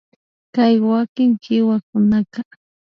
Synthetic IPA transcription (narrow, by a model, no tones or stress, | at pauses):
kajwakɪŋkɪwakʊnaka